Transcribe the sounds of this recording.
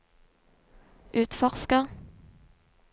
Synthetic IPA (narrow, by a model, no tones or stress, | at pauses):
ʔʉːt̪fɔʁskəʁ